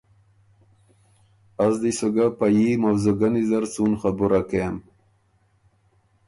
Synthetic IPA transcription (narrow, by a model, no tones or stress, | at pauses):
azd̪isoɡapajimawzoɡanizaɾt͡sunχabuɾakem